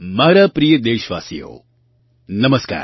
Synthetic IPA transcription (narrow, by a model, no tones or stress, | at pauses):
maːɾapɾijəd̪eːʃʋa̰ːsijo̰ː | nɐməska̰ːɾ